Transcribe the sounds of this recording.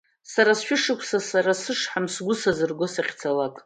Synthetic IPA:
saɾasʃᶣʊʂɨkʷʰsasaɾasɨʂħamsɡʷʊsazɨrɡʷosaχʲt͡sʰalakʼ

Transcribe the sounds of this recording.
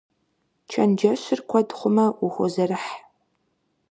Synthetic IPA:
t͡ʃʰɐnd͡ʒɐɕɪrkʷʰɔdχʷʊmɐʊxʷɔzɐrɨħ

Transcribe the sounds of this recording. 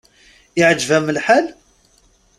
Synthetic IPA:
ɪʕəd͡ʒvæməlħal

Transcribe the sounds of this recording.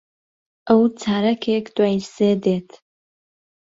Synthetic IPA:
awt͡sʰaːɾakʰʲekʰʼdwajsedetʰ

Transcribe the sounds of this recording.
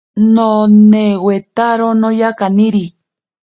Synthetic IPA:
nonewet̪aɾonojakaniɾi

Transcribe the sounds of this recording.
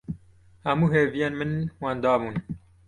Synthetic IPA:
hæmuːɦeːvijeːnmɨnwɑːnd̪ɑːbuːn

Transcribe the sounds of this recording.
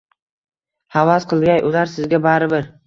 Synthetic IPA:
havasqʰɨlˠɡʲajʔʊlaɾsɪzɡʲabaɾɪbɪɾ

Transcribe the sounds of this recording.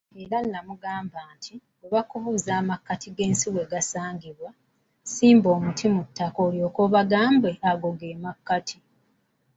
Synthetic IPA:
eɾanːamuɡaːmbaːntʰi | oβakuvuːzaːmakːatʰiɡe̞ːnsiwe̞ːɡasaːŋɡiβwa | siːmbo̞ːmutʰimutːakoljo̞ːkoβaɡaːmbeʔaɡo̞ɡe̞ːmakːatʰi

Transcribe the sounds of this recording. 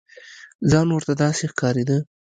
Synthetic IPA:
zɑnwəɾt̪ad̪ɑsexkɑɾed̪ə

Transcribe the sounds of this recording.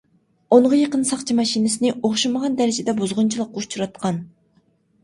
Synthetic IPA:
oɴʁɑjeqənsɑqt͡ʃʰimɑʃinɪsɨnɪʔoχʃiməʁɑnd̪æɾɪd͡ʒɪd̪ɛbozʁʊnt͡ʃʰilˠəqːut͡ʃʰuɾɑt̪̚qʰɑn

